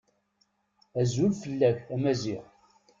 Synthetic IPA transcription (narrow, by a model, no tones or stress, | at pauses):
æzulfəlːæçæmæziʁ